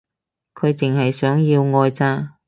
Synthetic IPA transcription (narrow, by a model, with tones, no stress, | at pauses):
kʰɵ˨˧ɥt͡sɪ˨ŋɦɐ˨jsœː˨˥ŋjiː˧wŋɔː˧jt͡saː˧˥